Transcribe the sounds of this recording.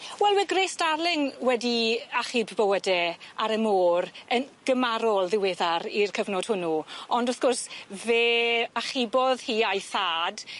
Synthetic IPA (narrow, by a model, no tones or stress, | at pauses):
wɛlˠwɛɡreːsd̥arlɪŋwɛdiaχibbɔwədɛaɾəmoːɾənɡ̥əmaɾɔlˠðɪweːðaɾirkʰəvnɔd̥hʊnuɔndɔθɡ̥ɔrsveːaχɪbɔðhiːajθaːd